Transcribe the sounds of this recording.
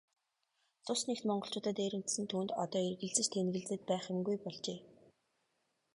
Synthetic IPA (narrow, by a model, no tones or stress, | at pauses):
t͡sʊsnext̪mɔɴɢɞ̆ɬt͡ɕʊːt̪ə̆t̪eːɾɘ̆mt̪sɘ̆nt̪ʰuːnt̪ɔ̰t̪ɔːerɣɘ̆ɮt͡sɘ̆t͡ɕt̪ʰenɡɣɘ̆ɮt͡sɘ̆t̪̚pæːχɪ̆mɡujpɔɮt͡ɕeː